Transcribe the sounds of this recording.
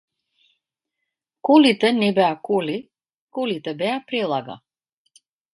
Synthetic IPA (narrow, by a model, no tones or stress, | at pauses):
kulit̪ɛnɛbɛakuli | kulit̪ɛbɛapɾɛlˠaɡa̰